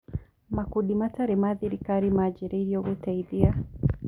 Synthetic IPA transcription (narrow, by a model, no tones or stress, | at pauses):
makuɗimataɾɛmaðiɾikaɾimad͡ʒɛɾɛɾjɔɣutaiðia